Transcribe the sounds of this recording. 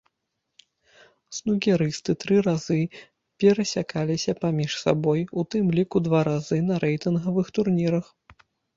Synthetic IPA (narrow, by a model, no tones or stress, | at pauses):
snuɣʲɛɾɨst̪ɨt̪ɾɨɾazɨ | pʲɛɾɐsʲakalʲisʲɐpamʲiʂsa̰bɔjut̪ɨmlʲikud̪vaɾazɨnɐɾʔɛjt̪ɨnɣɐvɨxt̪urnʲiɾɐx